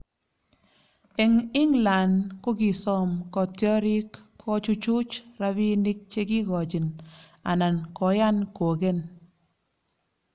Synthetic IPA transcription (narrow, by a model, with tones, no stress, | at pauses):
e˨ŋɪ˦ŋla˨nko˦ki˨sɔ˦mkɔ˨tɔ˦ɾi˦kːʰɔ˦t͡ʃu˦t͡ʃu˦t͡ʃɾa˨˦bi˦ni˦k̚t͡ʃe˦ki˦ɡɔ˨t͡ʃi˨n | a̰˨na˨nkɔ˨ja˦nko˨ɡe˦n